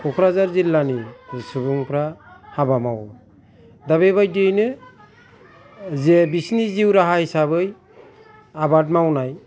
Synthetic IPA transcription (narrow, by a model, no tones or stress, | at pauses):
kʰɔkʰɾazaɾzilːanisɯbuŋpɾahabamaw | daβebajdenɯ | zɛbisniziwɾaɦahisaβɯj | abat̚mawnaj